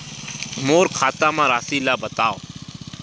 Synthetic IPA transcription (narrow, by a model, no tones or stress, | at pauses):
moːɾkʰaːt̪aːmãːɾaːsiːlaːbət̪aːo̰ː